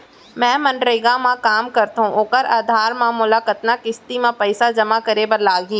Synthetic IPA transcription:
mɛ̃ːmɐ̃nɖɾəɡãmãkaːmkɐɾt̪ɦũʔoːkəɾaːd̪ʱaːɾmãːmʊlakɐt̪nakɪst̪imãpɐɪsad͡ʒɐmakɐɾebɐɾlaːɡĩː

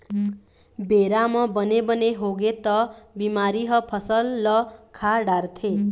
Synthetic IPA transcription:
beɾamʌbʌnebʌneɦoɡet̪ʌbimaɾiɦʌpʰʌsʌlːʌkʰaɽart̪ʰe

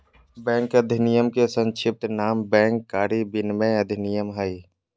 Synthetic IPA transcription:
bɛ̃ːŋkəd̪ʱɪnijəmkesə̃nt͡ʃʰɪp̚t̪naːmbɛ̃ːŋkːaːɾibɪnmẽəd̪ʱɪnijəmɦəi

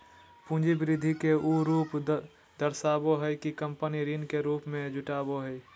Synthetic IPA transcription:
pũːd͡ʒibɪɾɪd̪ʱːikeuɾuːp | d̪əɾsaːboɦɛjkikə̃mpəniɾinkeɾuːpmẽd͡ʒʊʈaːboɦɛi

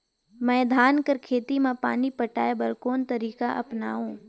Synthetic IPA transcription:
mɛ̃ːd̪ʱaːnkəɾkʰeːt̪imãpa̰ːnipəʈaːebɐlkoːnt̪əɾiːkaʔɐ̰pna̰ːũː

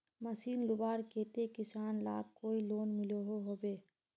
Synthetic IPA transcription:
mɐsiːnlʊbaːɾkeːt̪ekɪsaːnla̰ːk̚koːiloːnmɪloɦoɦoːbeː

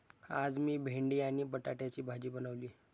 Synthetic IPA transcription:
ad͡zmiːbʱeɳɖiːaɽ̃ibəʈaʈjat͡ɕiːbʱad͡ʑiːbənəʋliː

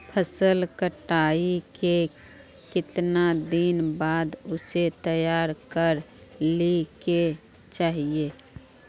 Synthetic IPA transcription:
pʰəsəlkəʈaːike | kɪt̪nad̪ɪnbaːd̪ʊset̪əjaːɾkəɾlike | t͡ʃaːɦieː

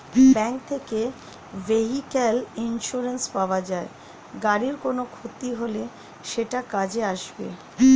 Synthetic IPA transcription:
bɛŋkt̪ʰeke | veɦikelinʃuɾenspaoad͡ʑae | ɡaɾiɾkonokʰot̪iɦole | ʃeʈakad͡ʑeaʃbḛ

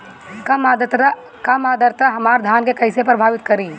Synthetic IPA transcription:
kmad̪t̪ | kɐmaːd̪əɾt̪aɦɐmaːɾd̪ʱjaːnkekɐɪsepɾɐbʱaːʋɪt̪kɐɾiː

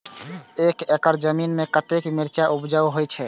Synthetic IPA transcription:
ekekəɾd͡ʒəminmekət̪ekmiɾt͡ʃaʔubd͡ʒawɦojt͡ʃʰɛ

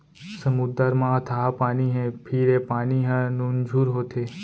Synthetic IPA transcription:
səmud̪əɾmãt̪ʰaːpaːniɦɛ̃pʰiɾepaːniɦãnund͡ʒʱuːɾɦoːt̪ʰeː

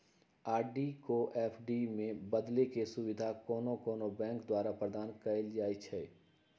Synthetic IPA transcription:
aːɾɖikoʔɛːpʰɖimẽbɐd̪lekesʊwɪd̪ʱakɔːnokɔːnobɛ̃ːŋkd̪waːɾapɾəd̪ʱaːnkɐɪld͡ʒaːit͡ʃʰɛː

